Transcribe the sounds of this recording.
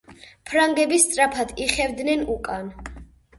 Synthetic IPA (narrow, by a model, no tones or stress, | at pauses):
pʰɾaŋɡɛbist̪sʼɾapʰad̪iχɛvd̪nɛnukʼan